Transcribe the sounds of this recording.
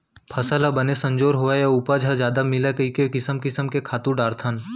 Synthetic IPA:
pʰɐsəlabənesɐ̃ɲd͡ʒoːɾɦoajaupad͡ʒʱad͡ʒjaːd̪amɪlekəikekɪsəmkɪsəmkekʰaːt̪uɖaːɾt̪ʰən

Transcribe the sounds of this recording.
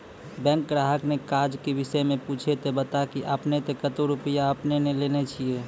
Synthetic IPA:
bɛ̃ŋkɾaɦəknekaɾd͡ʒkebisəjmẽput͡ʃʰet̪ebət̪akiʔəpnet̪ekət̪oɾupijaəpnenelenet͡ʃʰije

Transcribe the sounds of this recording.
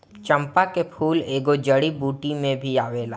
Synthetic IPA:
t͡ʃə̃mpakepʰuːleːɡod͡ʒəɽibuːʈimẽbʱiaːʋeːla̰ː

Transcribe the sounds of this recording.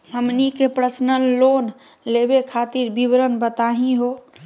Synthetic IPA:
ɦəmnikepɾəsnənlon | lebekʰat̪iɾbibɾənbət̪aɦĩɦo

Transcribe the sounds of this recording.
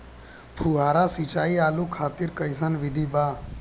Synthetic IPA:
pʰuːɦaːɾaːsit͡ʃaːiːaːluːkʰaːt̪ɪɾkəisənʋɪd̪ʱiːbaː

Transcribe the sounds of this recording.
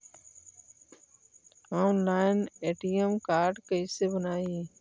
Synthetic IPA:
aːnlaːɪneːʈiːemkaːɾɖkəiːsebənaːiː

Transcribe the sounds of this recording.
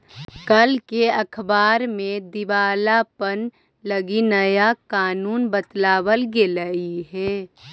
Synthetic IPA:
kəlkeɐkʰbaːɾmẽd̪ɪʋaːlapən | ləɡinəjakaːnuːnbət̪laːwəlɡeləiɦɛː

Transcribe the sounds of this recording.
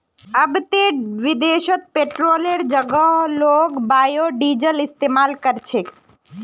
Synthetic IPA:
əbt̪eʋɪd̪eːʃət̪̚peʈɾoːleɾd͡ʒəɡəɦloːkbaːjoɖiːd͡ʒəlɪst̪eːmaːlkəɾt͡ʃʰe

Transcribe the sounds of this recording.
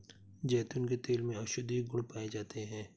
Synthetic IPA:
d͡ʒɛːt̪ʊnket̪eːlmẽɐʃʊd̪ʱiɡʊɽpaːed͡ʒaːt̪ʰeɦɛ̃ː

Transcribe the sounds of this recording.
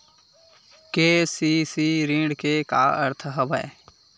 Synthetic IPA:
keːsiːsiːɾĩɖkeka̰ːə̰ɾt̪ʰɦəbə̰ː

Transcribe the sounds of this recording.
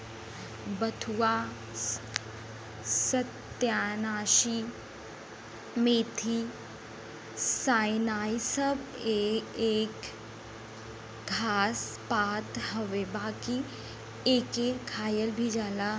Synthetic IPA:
bɐt̪ʰuwaː | sɐt̪jaːnaːʃi | meːt̪ʰi | saːjnaːjsəbeeːk | ɡʱaːspaːt̪ɦɐʋebaːki | eːkekʰaːjəlbʱid͡ʒaːla

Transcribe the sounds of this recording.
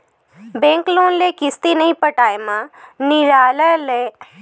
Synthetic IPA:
bẽːŋkloːnlekɪst̪inɐɦĩpɐʈaːjmãnɪɾaːləleː

